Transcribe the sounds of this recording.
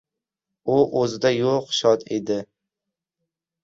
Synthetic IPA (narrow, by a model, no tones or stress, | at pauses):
ʊʔɵzɪd̪ajoqʃɒt̪ʰḛd̪ɪ